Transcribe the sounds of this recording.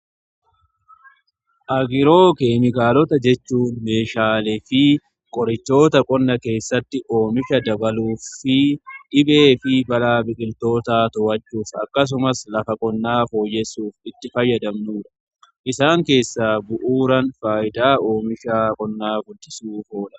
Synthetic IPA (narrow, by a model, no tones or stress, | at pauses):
ʔɐɡɪɾo̞ːkeːmɪkaːlɔt̪ɐd͡ʒɛt͡ʃːuːnme̞ːʃaːlefɪ | kʼɔɾɪt͡ʃːo̞ːt̪ɐkʼɔnːɐke̞ːsːɐt̪ːɪʔo̞ːmɪʃɐd̪ɐbɐluːfɪᶑɪbe̞ːfɪbɐlaːbɪkʼɪlt̪o̞ːt̪aːt̪ɔwɐt͡ʃːuːfɐ̰kːɐs̬ʊmɐslɐfɐkʼɔnːaːfo̞ːjːɛsːuːfɪt̪ːɪfɐjːɐd̪ɐmnuːᶑɐ̥ | ʔɪsaːŋke̞ːsːaːbʊʔuːɾɐnfaːɪd̪aːo̞ːmɪʃaːkʼɔnːaːfʊlt̪ɪsuːfo̞ːᶑɐ̥